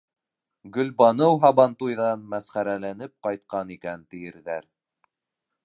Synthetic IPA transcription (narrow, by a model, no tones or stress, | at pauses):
ɡɵ̆lbɑnɤwɦɑβɑnt̪ujðɑnmæsχæɾælænɘp̚qɑjt̪̚qɑnikænt̪ɘ̆jɘ̆ɾðæɾ